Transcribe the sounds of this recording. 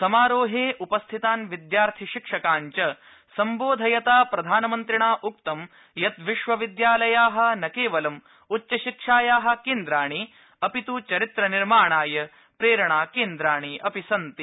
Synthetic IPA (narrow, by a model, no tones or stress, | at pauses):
sɐmaːɾoːɦeːʔupɐst̪ʰit̪aːnʋid̪jaːɾt̪ʰiʃikʂɐkaːɲt͡ʃɐ | sɐmboːd̪ʱɐjɐt̪aːpɾɐd̪ʱaːnɐmɐnt̪ɾiɳaːʔukt̪ɐm | jɐt̪ʋiʃʋɐʋid̪jaːlɐjaːɦɐ̆nɐkeːʋɐlɐm | utːt͡ʃːɐʃikʂaːjaːɦɐ̆keːnd̪ɾaːɳi | ɐpit̪ut͡ʃɐɾit̪ɾɐniɾmaːɳaːjɐ | pɾeːɾɐɳaːkeːnd̪ɾaːɳ̃iʔɐpisɐnt̪i